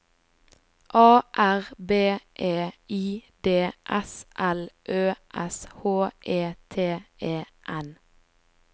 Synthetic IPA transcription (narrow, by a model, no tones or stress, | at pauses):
ʔɑːʔæʁbeːʔeːiːd̪eːʔɛsʔɛlʔøːʔɛshoːʔeːt̪ʰeːʔeːʔɛn